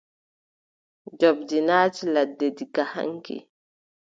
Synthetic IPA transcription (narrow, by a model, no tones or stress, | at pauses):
d͡ʒɔb̚dinaːt͡ʃiladːediɡaha̰ŋkḭ